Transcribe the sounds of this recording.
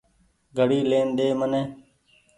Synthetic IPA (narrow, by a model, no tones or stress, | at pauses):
ɡʱəɽiːleːnd̪eːmənẽː